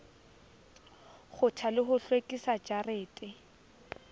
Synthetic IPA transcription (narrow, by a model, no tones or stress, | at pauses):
χʊtʰalɪχʊɬwekʼisad͡ʒareːtʼɪ